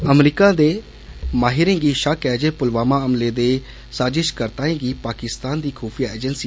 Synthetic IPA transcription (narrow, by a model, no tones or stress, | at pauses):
əmɾiːkãːd̪eː | maːɦɪɾẽːɡiːʃakɛːd͡ʒeːpʊlʋaːmãːəmleːd̪eː | saːd͡ʒɪʃkəɾt̪ãːĩːɡiːpaːkɪst̪aːnd̪iːkʰɔːpʰijaːeːd͡ʒənsiː